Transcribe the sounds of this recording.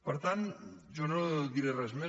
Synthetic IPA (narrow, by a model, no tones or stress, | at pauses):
oɾt̪and͡ʒonoðiɾerazme